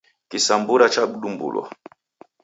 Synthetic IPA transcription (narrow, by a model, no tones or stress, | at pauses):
kisambuɾat͡ʃaɓ̩ɗumbṵlwa̰